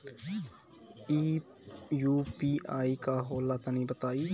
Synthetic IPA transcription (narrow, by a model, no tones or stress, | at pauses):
iː | juːpiːaːikaɦoːlat̪anĩbət̪aːiː